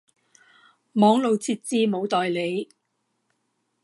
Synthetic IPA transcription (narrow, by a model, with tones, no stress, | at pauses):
mɔː˨˥ŋlo˨˧wt͡sʰiː˧t̚t͡siː˧mo˨˧wt̪ɔː˨jle˨˧j